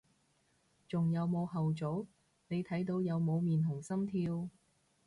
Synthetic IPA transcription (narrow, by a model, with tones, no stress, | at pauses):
t͡sʊ˨˩ŋjɐ˨˧wmo˨˧wɦɐ˨wt͡so˨˥w | ne˨˧jt̪ʰɐ˨˥jt̪̬o˨˧wjɐ˨˧wmo˨˧wmiː˨˩nt̪ʰʊ˨˩ŋsɐ˥mt̪ʰiː˧w